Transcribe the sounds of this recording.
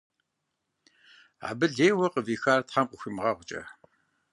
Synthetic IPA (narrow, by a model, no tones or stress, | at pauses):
a̰bɨɮeːwɐqəviːxaːrtħamqəxʷimʁɐʁʷʊt͡ʃʼɐ̰